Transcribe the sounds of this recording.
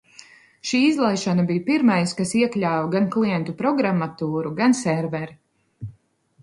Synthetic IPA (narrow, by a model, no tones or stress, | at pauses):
ʃiːizlˠajʃanabijpiɾmajskasiɛklʲaːwɡanklˠijɛnt̪upɾɔɡɾamːat̪uːɾuɡansɛɾvɛɾ